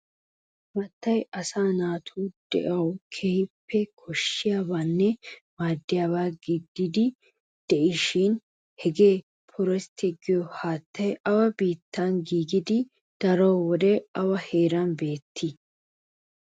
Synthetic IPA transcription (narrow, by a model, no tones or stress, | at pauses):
bɐt̪ːɐjɐsaːnaːt̪ʰuːd̪̥ɛ̰ʔɐwkʰehɪpːɛkʰɔʃːɪjaːbaːnːɛmaːd̪ːɪjaːβaːɡɪd̪ːɪd̪ɪ | d̪̥ɛʔɪʃɪn | hɛɡe̞ː | pʰʊɾɛst̪ʰɪɡɪjɔhaːt̪ːɐjɐwɐbiːt̪ːanɡiːɡɪd̪ɪ | d̪̥ɐɾowwɔd̪ɛɐwɐheːɾanbe̞ːt̪ʰːɪ